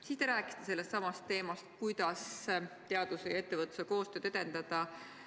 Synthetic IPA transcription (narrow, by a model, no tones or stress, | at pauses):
siːst̪eɾæːkˑi̥st̪ese̞lːest̪sɑmɑst̪ːe̞ːmɑst̪̚kujd̪̥ɑst̪e̞ɑd̪usejɑe̞t̪ːe̞vɤt̪ːˑuseko̞ːst̪ø̞ːd̪̥e̞d̪e̞nd̪̥ɑd̪̥ɑ